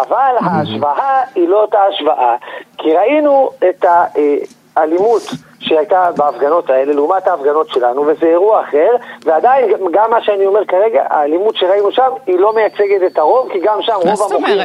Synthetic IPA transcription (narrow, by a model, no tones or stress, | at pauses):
ʔavalɦaːʃvaʔailo̞etaːʃvaʔakʰiʁainue̞ta | alimut | ʃehajtabeafɡano̞tae̞le̞lumathaːfɡano̞tʃe̞lanuve̞zeːʁuaːχe̞ʁveadainɡamːaʃeanio̞me̞ʁkaʁe̞ɡa̰a̰ːlimutʃeʁainuʃamilo̞mejat͡se̞ɡe̞tetaʁo̞vkiɡamʃamʁo̞vamoχim